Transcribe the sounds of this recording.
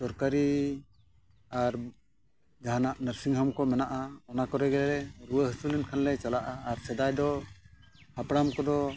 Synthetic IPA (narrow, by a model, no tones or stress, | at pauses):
sɔɾkaɾi | aɾ | d͡ʒaɦanaʔnəɾsiŋɦamkɔmɛnaʔaɔnakɔɾɛɡɛlɛɾɛɾuəhəsulɛnkʰanlɛt͡ʃalaʔaːɾsɛd̪ajd̪ɔ | hapɽamkɔd̪ɔ